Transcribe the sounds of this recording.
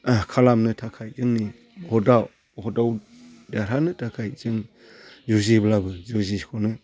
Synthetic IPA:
kʰalamnɯtʰakʰajzɯŋni | hɔdaw | hɔdaw | daɾanɯtʰakʰajzɯŋ | zuziblabɯzuzikʰɔnɯ

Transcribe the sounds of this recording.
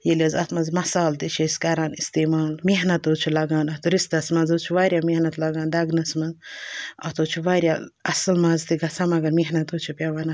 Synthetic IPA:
jilʲezɐt̪ʰmɐzmɐsaːlt̪it͡ʃʰeskɐɾaːnist̪eːmaːlmeɦnɐt̪oːt͡ʃʰulɐɡãːnɐt̪uɾist̪ɐsmɐnzoːt͡ʃʰuʋaːɾʲjamehnɐt̪lɐɡaːnd̪ɐɡnɐsmɐnzɐ̰t̪oːt͡ʃʰuʋaːɾʲjaɐslmɐzt̪iɡɐsʰamɐɡɐɾmeɦnɐt̪oːt͡ʃʰupʲjaʋaːnɐ

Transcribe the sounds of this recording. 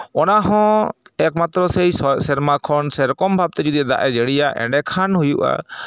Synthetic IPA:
ɔnaɦɔ̃ɛk̚mat̪ɾɔsejssɛɾmakʰɔnsɛɾɔkɔmbʱab̚t̪ɛd͡ʒud̪iad̪a̰ʔɛd͡ʒeɽijaʔɛ̰̃ɖɛkʰanɦujuʔa̰

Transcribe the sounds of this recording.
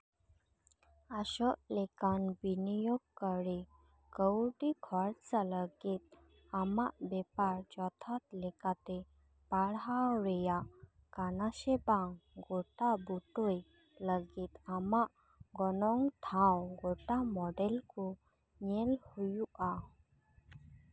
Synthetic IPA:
aʃɔʔlekanbinijɔɡ̚kəɾi | kəwʈikʰɔɾt͡saləɡit̪̚ | amaʔbɛpaɾt͡ʃɔt̪ʰat̪lɛkat̪e | paɭɦaɾɛjaʔ | kanasɛbaŋɡoʈabuʈoj | ləɡit̪amaʔ | ɡɔnɔŋt̪ʰawɡoʈamɔɖɛlku | ɲelhujuʔa

